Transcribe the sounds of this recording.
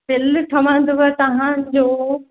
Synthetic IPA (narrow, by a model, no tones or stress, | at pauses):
fɪlʈʰɐʋãn̆d̪oɡɐt̪ɐɦãd͡ʑoː